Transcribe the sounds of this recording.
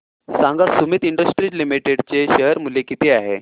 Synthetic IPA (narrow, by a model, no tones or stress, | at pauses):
saŋɡasumit̪iɳɖəsʈɾilimiʈeɽt͡seɕəɦəɾmulekit̪eaɦḛ